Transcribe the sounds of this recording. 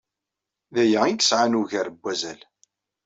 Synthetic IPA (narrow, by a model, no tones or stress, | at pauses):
ðæjæiɡə̥sʕanuʝæɾəbʷːæzæl